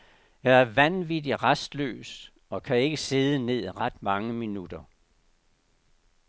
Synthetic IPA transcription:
jɑ̈æɐʋænʋidiʁasd̥lø̰ːs | ɒ̽kʰæe̝ɡ̥əse̝ð̞ˠəne̝ð̞̰ˠʁɑd̥mɑ̈ŋəminud̥ɐ

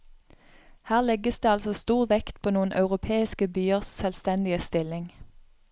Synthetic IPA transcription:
hæːʁlɛɡəsd̪eːɑlsɔst̪uːʁʋɛkt̪pʰoːnuːənʔɑʉʁʊpʰeːɪskəbyːəʁssɛlst̪ɛnd̪ɪəst̪ɪlɪŋ

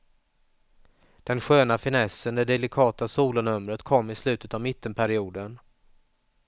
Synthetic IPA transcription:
d̪̥ɛnɧøːnafɪnɛsənd̪ɛɖ̪ɛlɪkʰɑːt̪asuːlʊnɵmɾət̪kʰɔmːɪslʉ̟ːt̪ət̪avmɪt̪ʰːənpʰæɾɪuːd̪ən

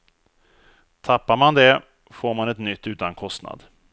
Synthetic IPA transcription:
t̪ʰapːaɾmand̪ɛ | foːɾmanɛt̪nʏt̪ːʉ̟ːt̪ankʰɔst̪na̰d̪

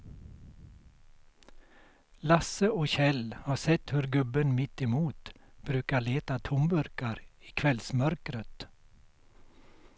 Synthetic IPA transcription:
lɑsəoːçɛlhɑːsɛt̪hʉɾɡʉbənmɪt̪ɪmuːt̪b̥ɾʉːkɑleːt̪ɑt̪ʰʊmbʉɾkɑɾiːkʰʋɛlsmœɾkɾət̪

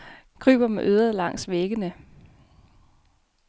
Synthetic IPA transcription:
kʰʁy̰ːb̥ɐmeʔøːðˠʁɐlɑ̈ŋ̰sʋeɡ̥ənə

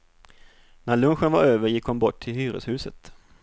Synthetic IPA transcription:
næɭɵnɧənvaɾøːvəɾjɪkhɔnbɔʈʰːɪlɦyːɾə̰shʉ̟ːsət̪

